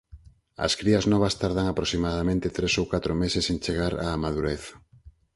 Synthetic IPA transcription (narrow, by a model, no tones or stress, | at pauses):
ɐ̰skɾiɐznɔβɐst̪aɾðaŋapɾosimaðamẽnt̪et̪ɾesowkat̪ɾomesesent͡ʃeɣaɾaːmaðuɾeθḁ